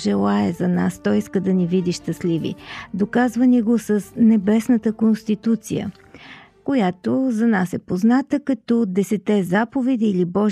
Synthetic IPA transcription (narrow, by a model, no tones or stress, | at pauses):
ʒɛlˠaɛzɐna̰st̪ɔiskəd̪ɐnivid̪iʃt̪əslivḭd̪okazvəniɡosəsnɛbɛsnət̪əkonst̪it̪ut̪sḭjə̰ | kojat̪ozɐnasɛpoznat̪əkɐt̪ɔd̪ɛsɛt̪ɛzapovɛd̪iːlibɔʒ